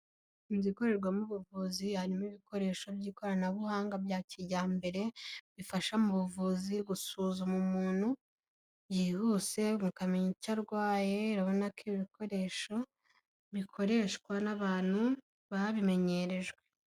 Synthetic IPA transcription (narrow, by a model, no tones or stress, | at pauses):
imziko̞ɾe̞ɾɡwamuβuvuːzihaɾimiβiko̞ɾe̞ːʃo̞bɟiːko̞ɾanaβuhaːŋɡabjaːciɾɟaːmbe̞ɾe̞βifaʃamuβuvuːziɡusuːzumumuːn̥hu | jiːhuse̞mukamiɲicaɾɡwaːje̞ɾaβo̞nakiβiko̞ɾe̞ʃo̞ | βikʰo̞ɾe̞ːʃkwanaβaːn̥hu | βaβime̞ɲe̞ɾe̞ʒwe